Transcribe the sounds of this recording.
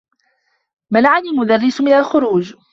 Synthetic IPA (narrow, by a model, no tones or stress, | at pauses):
malaʕanilmʊd̪arːɪsmɪnalxʊɾuːd͡ʒ